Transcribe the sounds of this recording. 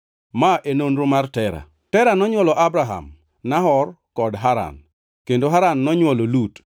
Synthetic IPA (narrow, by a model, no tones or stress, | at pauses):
maʔenonɾomartɛɾa̰ | tɛɾanɔɲwɔlɔʔabɾaɦa̰m | naɦɔr | kɔdɦaɾa̰n | kendoɦaɾanːɔɲwɔlolut